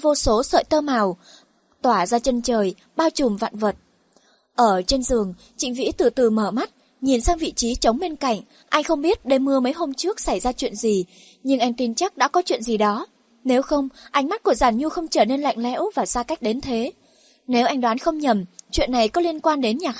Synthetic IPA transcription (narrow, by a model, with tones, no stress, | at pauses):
vo˧so˨˦sə̰ː˧˨jt̪əː˧ma˨˩w | t̪waː˧˩zaː˧t͡ɕə˧nt͡ɕəː˨˩j | ɓaː˧wt͡ɕʊ˨˩mva̰ː˧˨nvə˨˩t̚ | ʔəː˧˩t͡ɕe˧nzɨ˨˩əŋ | t͡ɕḭ̈˧˨ŋ̟vḭ˧˥t̪ɨ˨˩t̪ɨ˨˩məː˧˩ma˦˥t̚ | ɲi˨˩nsaː˧ŋvḭ˧˨t͡ɕi˨˦t͡ɕə˨˦wŋ͡mɓe˧nka̰˧˨jŋ̟ | ʔa˧jŋ̟xə˧wŋ͡mɓi˦˥ət̚ɗe˧˩mɨ˧əmə˨˦jɦo˧mt͡ɕɨ˦˥ək̚sa˧˩jzaː˧t͡ɕwḭ˧˨ənzi˨˩ | ɲɨ˧ŋʔa˧jŋ̟t̪i˧nt͡ɕa˦˥k̚ɗa̰ː˧˥kɔ˨˦t͡ɕwḭ˧˨ənzi˨˩ɗɔ˨˦ | ne˨˦wxə˧wŋ͡mʔa˧jŋ̟ma˦˥t̚ku˧˩əzaː˧˩nɲu˧xə˧wŋ͡mt͡ɕəː˧˩ne˧nla̰˧˨jŋ̟lɛ̰˧˥wvaː˨˩saː˧ka˦˥jk̟̚ɗe˨˦nt̪ʰe˨˦ | ne˨˦wʔa˧jŋ̟ɗwaː˨˦nxə˧wŋ͡mɲə˨˩mt͡ɕwḭ˧˨ənːa˨˩jkɔ˨˦li˧ənkwaː˧nɗe˨˦nɲaː˨˩